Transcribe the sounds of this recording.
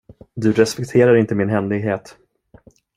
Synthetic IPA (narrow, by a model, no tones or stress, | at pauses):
d̪ɵɾɛspɛk̚t̪ʰeːɾaɾɪnt̪əmɪnɦɛnlɪɡɦeːt̪